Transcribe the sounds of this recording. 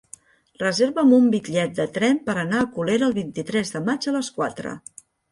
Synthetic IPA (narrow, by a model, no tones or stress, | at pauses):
rəzeɾβəmumbikʎɛt̪̚d̪ət̪ɾɛmpəɾənaəkuleɾəːlˠβint̪it̪ɾɛzðəmad͡ʒələskwa̰t̪ɾə̰